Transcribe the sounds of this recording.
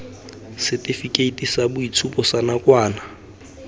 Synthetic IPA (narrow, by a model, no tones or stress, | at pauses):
sɪtʼifikʼeitʼisabʊit͡sʰupʼɔsanakʼwaːna